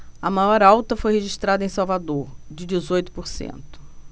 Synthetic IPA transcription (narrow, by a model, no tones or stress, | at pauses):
ɐmajɔɾawt̪ɐfojheʒiʃt̪ɾad̪ɐẽj̃sawvad̪oɾd͡ʒɪd͡ʒɪzojt̪ʊ̥poɾsḛ̃nt̪ʊ̥